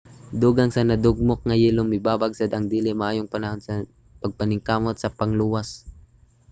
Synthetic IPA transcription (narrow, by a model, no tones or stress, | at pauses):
d̪uːɡɐŋsɐnɐd̪ʊɡ̚mok̚ŋɐjilomɪbaːbaɡsad̪ɐŋd̪iːlɪmɐʔaːjoŋpɐnɐhonsɐ | pɐɡ̚pɐnɪŋkaːmot̪̚sɐpɐŋluːwas